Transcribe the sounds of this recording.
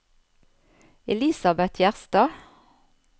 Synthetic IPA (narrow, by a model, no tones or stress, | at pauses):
ɛliːsɑbɛt̪ʰjæʁst̪ɑː